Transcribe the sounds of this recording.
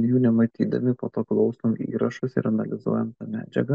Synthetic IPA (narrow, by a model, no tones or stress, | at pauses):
juːnʲɛmɐt̪ʲiːd̪ɐ̰mʲɪpo̰ːt̪oːklˠɒʊst̪oːmḭːɾɐʃʊsɪ̰ɾɐnɐlʲɪzṵɔjɛmt̪ɐmʲæːd͡ʒʲɛ̰ɡɐ